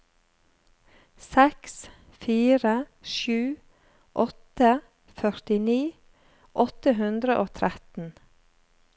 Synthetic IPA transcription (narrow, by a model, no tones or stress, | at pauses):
sɛks | fiːɾəʃʉː | ʔɔt̪ə | fœɾt̪ɪniː | ʔɔt̪əɦʉnd̪ɾəʔoːt̪ʰɾɛt̪n̩